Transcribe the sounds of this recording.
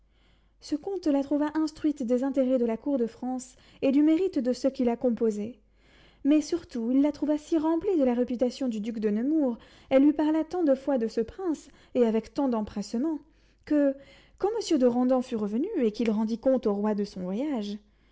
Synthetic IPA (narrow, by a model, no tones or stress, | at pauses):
səkɔ̃t̪lat̪χuvaʔɛ̃st̪χɥit̪d̪ezɛ̃t̪eʁɛd̪əlakuʁd̪əfχɑ̃s | ed̪ymeʁit̪d̪əsəkʲilakɔ̃pozɛ | mɛsyʁt̪uilːat̪χuvasiʁɑ̃pled̪əlaʁepyt̪asjɔ̃d̪yd̪ykd̪ənəmuʁ | ɛlːɥipaʁlat̪ɑ̃d̪əfwad̪əsəpχɛ̃s | eavɛkt̪ɑ̃d̪ɑ̃pχɛsmɑ̃ | kə | kɑ̃məsjød̪əʁɑ̃d̪ɑ̃fyʁəvənyekilʁɑ̃d̪ikɔ̃t̪oʁwad̪əsɔ̃vwajaʒ